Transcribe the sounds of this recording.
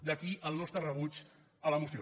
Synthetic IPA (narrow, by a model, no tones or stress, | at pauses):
d̪əkiʔəlˠnɔst̪ɾərəβut͡ʃ | ələmusio